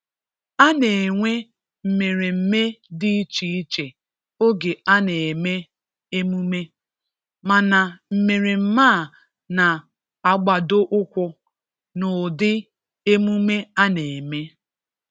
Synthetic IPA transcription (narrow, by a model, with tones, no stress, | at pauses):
a˦ne˨e˨ŋʷe˦ | m̩˨me˨ɾe˨m̩˦me˦dɪ˦t͡ʃi˨i˦t͡ʃe˨ | o˦ɡe˨a˦ne˨e˨me˦ | e˦mu˦me˦ | ma˨na˨m̩˨me˨ɾe˨m̩˦maː˦˨ | na˨ | a˨ɡ͡ba˨do˦ʔʊ˦kʷʊ˦ | nʊ˨dɪ˦ | e˦mu˦me˦a˦ne˨e˨me˦